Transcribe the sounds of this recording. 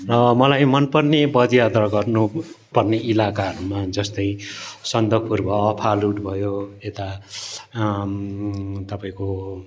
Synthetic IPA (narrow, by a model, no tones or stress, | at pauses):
rʌmʌlajmʌnpʌrnebʌd̪jad̪rʌɡʌrnu | pʌrneilakaɦʌɾumad͡zʌst̪ʌjsʌnd̪ʌpurbʌːpʰaluʈbʱʌjoet̪a | t̪ʌpaĩko